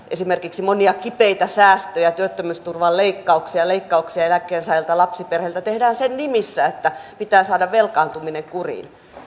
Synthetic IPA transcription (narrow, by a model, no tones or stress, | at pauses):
ʔesimerkiksimoniɑkipeit̪æsæːst̪øjæt̪yøt̪ːømyst̪urʋɑlleikːɑuksiɑleikːɑuksiɑelækːˑeːnsɑjelt̪ɑlɑpsiperhelt̪æt̪ehdæːnsennimisːæet̪ːæpit̪æːsɑːdɑʋʋelkɑːnt̪umineŋkurḭn